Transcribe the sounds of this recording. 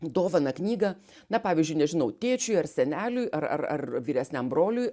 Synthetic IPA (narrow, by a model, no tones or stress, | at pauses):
d̪oːʋɐnɐknʲiːɡɐ | nɐpɑːʋʲizʲd͡ʒʲʊɪnʲɛʒʲɪnɐʊt̪ʲeːt͡ʃʲʊjɐrsʲɛnʲæːlʲʊjʔɐrɐ̰rɐ̰rʋʲiːɾʲɛsʲnʲɛmbroːlʲʊj